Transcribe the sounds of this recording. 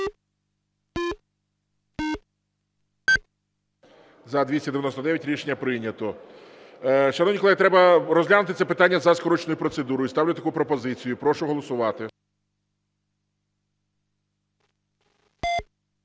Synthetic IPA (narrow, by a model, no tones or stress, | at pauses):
zɐd̪ʲʋʲisʲɐd̪eʋʲjnɔsd̪ɛʋjɐtʲɾʲiʃenʲːɐpɾɪnʲɐt̪ɔ | ʃɐnɔʋnʲiklˠɛɦit̪ɾɛbɐɾɔzʲlʲanʊt̪ɪt̪sɛpɪt̪ɑnʲːɐzɐskɔɾɔt͡ʃnɔjʊpɾɔt̪sed̪uɾɔjist̪ɑwlʲʊɐt̪ɐkupɾɔpɔzɪt͡sʲijʊipɾɔʃʊɦɔlˠɔsʊʋɑt̪ɪ